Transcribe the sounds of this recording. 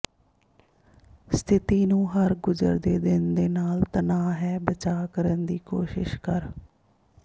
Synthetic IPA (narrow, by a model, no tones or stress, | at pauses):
st̪ʰɪt̪iːnũːɦəɾɡʊd͡ʒə̰ɾd̪eːd̪ɪnd̪eːnaːlt̪ənaːɦɛːbət͡ʃaːkəɾənd̪iːkoːʃɪ̰ʃkəɾ